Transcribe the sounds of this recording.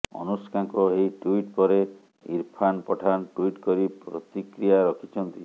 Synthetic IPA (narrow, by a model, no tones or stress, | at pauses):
ɔ̰nuskaŋkɔejʈuiʈpɔɾe | ḭɾpʰanpɔʈʰanʈuiʈkɔɾipɾɔt̪ikɾijaɾɔkʰit͡ʃʰɔnt̪i